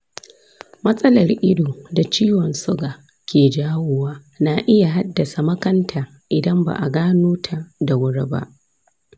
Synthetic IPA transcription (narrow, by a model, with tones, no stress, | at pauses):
mɐ˦sʼɐ˦lɐ˨rʔɪ˦doː˨da˨t͡ʃiː˦wɔ˨nsʊ˦ɡaː˨ | kʲeː˨d͡ʒaː˦wʊ˦waː˦ | na˨ʔɪ˦ja˨ɦa˦dːɐ˨sa˨mɐ˦kɐ˦ntʰaː˨ | ʔɪ˨dɐ˦mba̰˨ʔa˨ɡaː˦noː˦tʰa˨da˨wʊ˦ɽe˦ba̰˦ʔ